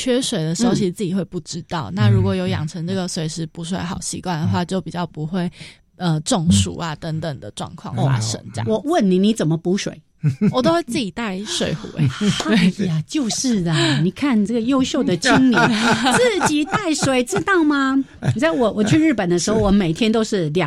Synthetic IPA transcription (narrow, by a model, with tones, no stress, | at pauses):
t͡ɕʰɥɛ˥ʂwe˨˩ɪd̪ə˦ɕo˥ʊɕi˨t͡sɹ̩˥˩t͡ɕi˨˩we˥˧ɪpu˥˩ʈ͡ʂɻ̩˦t̪ɑ˥˩ʊna˥˧ɻu˧˥kwɔ˨˩jo˧˥ʊjɑ̰˨˩ŋʈ͡ʂʰə˧˥ŋʈ͡ʂɤ˥˩ɡə˩swe˨˩ɪʂɻ̩˧˥pu˧˥swe˧˥ɪxɑ˨˩ʊɕḭ˧˥kwa˥˩nd̪ə˩xwa˥˧t͡ɕjo˥˩ʊpi˨˩t͡ɕjɑ˥˩ʊpu˧˦xwe˥˩ɪ | ə˧ʈ͡ʂʊ˥˨ŋʂṵ˨˩a˦t̪ə˧˥ŋt̪ə˨˩ŋd̪ə˩ʈ͡ʂwɑ̰˥˧ŋkʰwɑ̰˥˩ŋ̰˧˨˩ʂə̰˧˥ŋt͡ɕa̰˥˩wɔ˨˩˦wə˥˨nni˨˩ni˧˥t͡sə˨˩mə˨˦pu˧˥ʂwḛ˨˩˦ɪ | wɔ˨˩t̪o˥ʊwe˥˧ɪt͡s̩˥˩t͡ɕi˨˩t̪a˥˩ɪʂwe˨˩ɪxṵ˨˦e˥˧˩a˨˩t͡ɕjo˥˧ʊʂɻ̩˥˩d̪ə˨˩ni˨˩kʰa˥˨nʈ͡ʂə˥˩ɡə˩jo˥ʊɕjo˥˨ʊd̪ə˨˩t͡ɕʰi˦˥ŋli˨˦t͡s̩˥˩t͡ɕi˨˩t̪a˥˩ɪʂwe˨˩ɪt͡sɻ̩˥t̪ɑ˥˩ʊmɐ˧˨t͡sa˥˩ɪwɔ˨˩wɔ˨˩t͡ɕʰy˥˧ɻɻ̩˥˩pə˨˩nd̪ə˦ʂɻ̩˧˥xo˥˧ʊwɔ˨˧˩me˨˩ɪt̪ʰjɛ˥nt̪o˥ʊʂɻ̩˥˩ljɑ˨